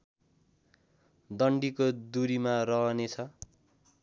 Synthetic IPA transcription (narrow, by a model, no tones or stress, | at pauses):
d̪ʌɳɖikod̪uɾimarʌɦʌnet͡sʰʌ